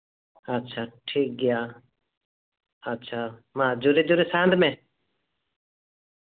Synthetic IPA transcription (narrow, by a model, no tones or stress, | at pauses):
ətːʃʰaːʈʰiːk̚ɡɪjaː | ɐtːʃʰaːmãːd͡ʒʊɾed͡ʒʊɾesaːə̃nd̪mɛ̃ː